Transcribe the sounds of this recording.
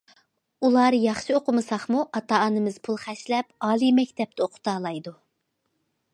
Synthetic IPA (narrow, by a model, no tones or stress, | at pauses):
ulˠɑːɾɨjɑχʃioqʊmɨsɑχmuʔɑt̪ɑːɑnɨmɨz̥pʰulˠχæʃlɛpɑːlˠimɛkʲt̪ʰɛp̚t̪ɛoqʰʊ̥t̪ɑːlˠɑjd̪u